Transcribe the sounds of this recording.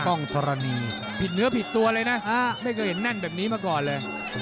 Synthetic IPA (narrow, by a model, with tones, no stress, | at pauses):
ɔ˥˩ŋt̪ʰɔ˧ɾa˧niː˧ | pʰi˨˩t̪̚nɯ˦˥ɐpʰi˨˩t̪ːu˧ɐlɤː˧jna˦˥ʔaː˧˩ma˥˩jkʰɔː˧˩ɦe˩˦nːa˥˩nbɛː˨˩p̚niː˦˥maː˧kɔː˨˩nlɤː˧j